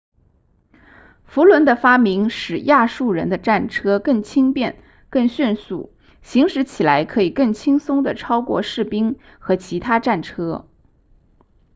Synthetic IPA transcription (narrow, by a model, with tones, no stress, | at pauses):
fu˧˥lwə˧˥nd̪ə˧fa˥mi˧˥ŋʂɻ̩˨˩ja˥˧ʂu˥˩ɻə̰˧˥nd̪ə˧ʈ͡ʂa˥˩nʈ͡ʂʰɤ˥kɤ˥˩ŋt͡ɕʰi˥ŋpjɛ˥˧n | kɤ˥˧ŋɕy˥˧nsṵ˥˩ | ɕi˧˥ŋʂɻ̩˧˥t͡ɕʰi˨˩la˧˥ɪkʰɤ˧˥i˨˩kɤ˥˩ŋt͡ɕʰi˥ŋsʊ˥ŋd̪ə˨ʈ͡ʂʰɑ˥ʊkwɔ̰˥˧ʂɻ̩˥˩pi˥ŋ | xɤ˧˥t͡ɕʰi˧˥t̪ʰa˥ʈ͡ʂa˥˩nʈ͡ʂʰɤ˥